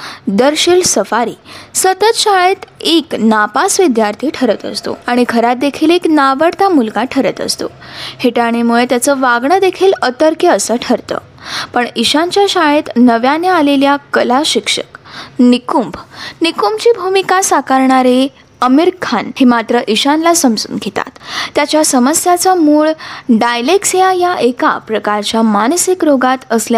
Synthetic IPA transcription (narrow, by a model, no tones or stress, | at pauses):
d̪əɾɕiːlsəfaɾḭːsət̪ət̪ɕaet̪eknapasʋid̪jaɾt̪ʰiːʈʰəɾət̪ə̰st̪o̰aɽ̃iɡʱəɾat̪̚d̪ekʰiːleknaʋəɽt̪amulɡaʈʰəɾət̪ə̰st̪o̰ | heʈaɽ̃imuɭet̪jat͡səʋaɡɳəd̪ekʰiːlət̪əɾkjəəsəʈʰəɾt̪ə̰ː | pəɳiɕãɲt͡ɕjaɕaɭet̪nəʋjanealeljakəlaɕikʂə̰knikumbnikumbt͡ɕiːbʱumikasakaɾɳaɾe | əmiɾkʰanhemat̪ɾəʔiɕanlasəmd͡zṵːnɡʱet̪a̰t̪ːjat͡ɕjasəməsjat͡samuːɭɖajleksijajaʔeka̰pɾəkaɾt͡ɕjamansikɾoɡat̪əslja